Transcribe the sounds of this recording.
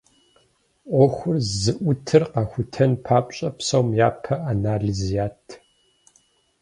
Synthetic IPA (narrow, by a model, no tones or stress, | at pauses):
ʔʷɔxʷʊrzɨʔʷʊtʰɨrqɑxʷʊtʰɐnpʰaːpʷʼɕʼɐpsɐwmjaːpʰɐanaːɮizijaːtʰ